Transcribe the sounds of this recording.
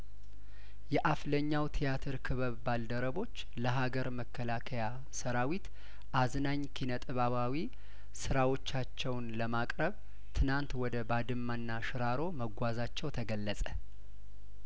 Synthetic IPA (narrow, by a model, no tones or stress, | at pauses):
jɛʔafləɲːawt̪ʰijat̪ʰəɾkʰɨβəβbald̪əɾəβo̞t͡ʃː | ləɦaɡəɾməkːəlakʰəja | səɾawit̪ | ʔaznaɲkʰinət̪ʼɨβaβawi | sɨɾawo̞t͡ʃːat͡ʃːɛwnləmakʼɾəβ | t̪ʰɨnant̪wɔd̪əbad̪ɨmːanːaʃɨɾaɾo̞məɡʷazat͡ʃːɛwt̪ʰəɡəlːəsʼə